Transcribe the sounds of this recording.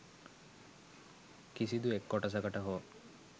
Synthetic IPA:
kisid̪uekːɔʈɐs̬ɐɡɐʈɐɦo

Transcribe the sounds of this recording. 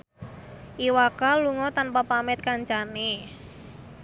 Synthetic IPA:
ʔiwakaluŋɔt̪anpapamɛt̪̚kaɲt͡ʃane

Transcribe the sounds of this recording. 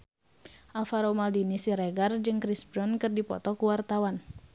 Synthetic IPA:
ʔalfaɾomaldinisiɾeɡard͡ʒɨŋkɾisbɾɔnkɨrdipɔ̰t̪ɔkuwart̪awan

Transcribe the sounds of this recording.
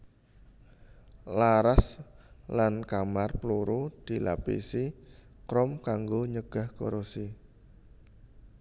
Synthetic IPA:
laɾaslankamarploɾod̪̥i̤la̰pḭsikɾɔmkaŋɡoɲəɡ̥a̤hko̰ɾosi

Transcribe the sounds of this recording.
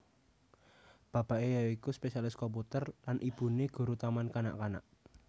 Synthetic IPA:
b̥a̤b̥aʔejaikuspesialɪskɔmp̬ut̪ərlanʔib̥ṳneɡ̥ṳɾut̪amankana̰ʔkana̰ʔ

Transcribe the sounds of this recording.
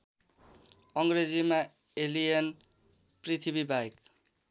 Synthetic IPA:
ʌŋɡɾed͡zima | elijʌn | pɾit̪ʰibibajk

